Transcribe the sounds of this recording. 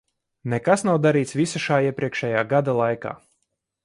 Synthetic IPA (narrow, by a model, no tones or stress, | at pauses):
nɛkasnawd̪aɾiːt̪svisaʃaːiɛpɾʲʔiɛkʃɛjaːɡad̪alˠajka̰ː